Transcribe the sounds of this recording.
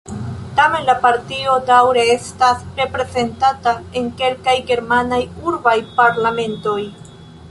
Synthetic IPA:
tame̞nlapaɾtio̞dawɾe̞e̞stasɾe̞pɾe̞ze̞ntatae̞ŋke̞lkajɡe̞ɾmanajuɾbajpaɾlame̞nto̞j

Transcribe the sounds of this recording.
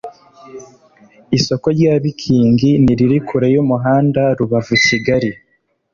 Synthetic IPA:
iso̞ko̞ɾɟaːβikʰiːŋɡiniɾiɾikuɾejumuɦaːndaɾuβavuiciɡaɾi

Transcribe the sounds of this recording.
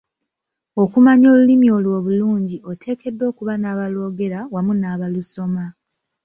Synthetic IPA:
o̞kumaɲo̞ːlulimio̞ːlwo̞ːβuluːɲɟio̞tʰe̞ːke̞dːo̞ːkuβanaːβalo̞ːɡe̞ɾawamunaːβaluso̞ma

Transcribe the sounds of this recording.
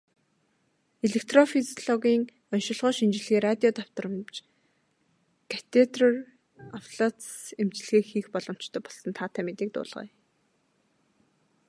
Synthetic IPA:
eɮek̚ʰt̪rɔfizɮɔɣiːŋ | ɔnʃɪ̆ɮʁɔːʃint͡ɕ̆ɮɣeːrat̪ʲiɔt̪aw̥t̪ə̆rə̆mt͡ɕ | kʰḁt̪ʰet̪rɔr | awɮɔt̪semt͡ɕɮɣeːxiːxpɔɮɞ̆m̥t͡ɕt̪ʰœːpɔɮsɞ̆nt̪ʰaːt̪ʰæmet̪iːk̚t̪ʊ̰ːɮʁœ̰ː

